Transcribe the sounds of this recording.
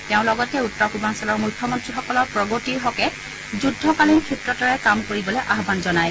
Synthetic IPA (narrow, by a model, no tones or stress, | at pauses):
tɛʊ̃lɔɡɔtɛutːɔɹkubansalɔɹmujkʰːɔmɔntɹixɔkɔlɔɹpɹɔɡotiɹɦɔkɛ | zudʱːɔkalinkʰɹitɹɔtɔɹɛkamkoɹibɔlɛʔaɦbanzɔnaj